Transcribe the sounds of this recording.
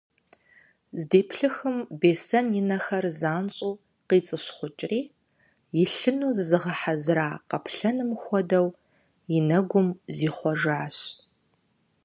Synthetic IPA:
zdeːpʰɬɨxɨmbeːsɐnjɪnɐxɐrzaːnɕʼuː | qiːt͡sʼɨɕχʷʊt͡ʃʼriː | jɪɬɨnuːzzɨʁɐħazraːqɐpʰɬɐnɨmxʷɔdɐw | jɪnɐɡʷʊmziːχʷɔʒaːɕ

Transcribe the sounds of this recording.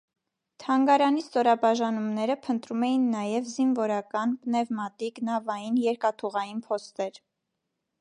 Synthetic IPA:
t̪ʰɑŋɡɑɾɑnist̪ɔɾɑbɑʒɑnumnɛɾəpʰənt̪ɾumɛjinːɑjɛvzinvɔɾɑkɑnpnɛvmɑt̪iknɑvɑjinjɛɾkɑt̪ʰuʁɑjinpʰɔst̪ɛɾ

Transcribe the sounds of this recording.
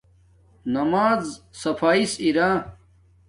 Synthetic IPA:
nɐmaːzsɐpaːisiɾãː

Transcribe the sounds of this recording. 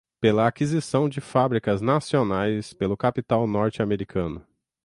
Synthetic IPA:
pelɐakizisɐ̃w̃d͡ʒɪfabɾikɐznasionajspelʊkapit̪awnɔɾt͡ʃɪameɾikʰɐ̃nʊ

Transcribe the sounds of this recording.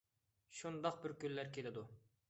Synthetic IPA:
ʃund̪ɑq̚bɪɾkʲylːæɾkʰʲelɪd̪u

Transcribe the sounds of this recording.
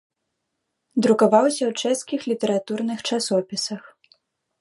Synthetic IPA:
d̪ɾukavawsʲɐwt͡ʂɛskʲixlʲit̪ɛɾat̪urnɨxt͡ʂasɔpʲisɐx

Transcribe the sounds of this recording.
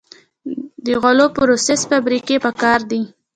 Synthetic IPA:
d̪əɣolopɾosesfabɾikepəkɑɾd̪i

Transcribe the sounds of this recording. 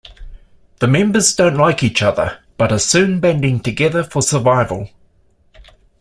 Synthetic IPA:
ðəmɛ̃mbəzdə̃ʊ̃nʔlaɪkiˑt͡ʃʌðə̰b̥ʌɾəsʉ̃ːnbɛ̃ndɪ̃ŋtʰɨɡɛðəfəsəvaɪvə̰lˠ

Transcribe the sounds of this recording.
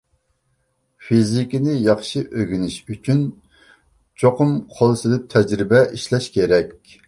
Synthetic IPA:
fizikʲinɪjɑχʃɨʔøɡʲynɪʃyt͡ʃʰyn | t͡ʃʰoqʊmqʰolˠsɨlɪp̚t̪ʰɛd͡ʒɾɪbɛʔiʃlɛʃkʲeɾɛk̚ʲ

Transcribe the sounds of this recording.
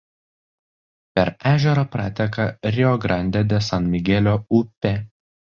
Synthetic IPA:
pʲɛɾæːʒʲɛɾɐpɾɑːt̪ʲɛkɐɾʲɪɔɡɾɐnʲd̪ʲɛd̪ʲɛsɐnmʲɪɡʲɛlʲoːʊpʲɛ

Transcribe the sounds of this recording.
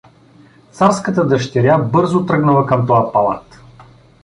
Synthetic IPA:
t̪saɾskət̪əd̪əʃt̪ɛɾʲabɤɾzʊt̪ɾɤɡnəvəkɐmt̪ɔjapɐlˠa̰t̪

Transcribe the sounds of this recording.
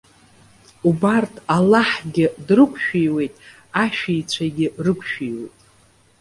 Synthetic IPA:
ubartʰalaħɡʲɪdrɨkʷʰʼʃᶣijwe̞jtʼ | aʃᶣijt͡sʷʰaɡʲɪrɨkʷʰʃᶣijwe̞̰jtʼ

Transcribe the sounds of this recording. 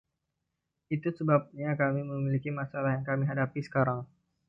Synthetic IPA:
it̪usəbap̚ɲakamiməmilikimasalahjaŋkamiɦadapisə̥kaɾaŋ

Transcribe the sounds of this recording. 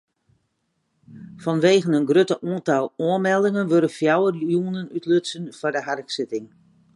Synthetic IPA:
fɔnʋeːɣənənɡrøtəʔuəntalˠuənmɛlˠdɪŋənʋøɾəfjawərjunənytløsənfɔrdəɦarksɪtɪŋ

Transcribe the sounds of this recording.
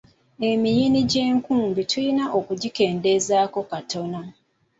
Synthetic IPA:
e̞mijiniɟeːŋkuːmbitʰujinaʔo̞kuɟike̞ːnde̞zaːko̞kato̞na

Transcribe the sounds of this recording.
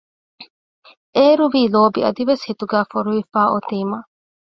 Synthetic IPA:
eːɾuʋiːloːbiɐ̰d̪iʋeshit̪uɡæːfoɾuʋifaːʔot̪iːmɐ

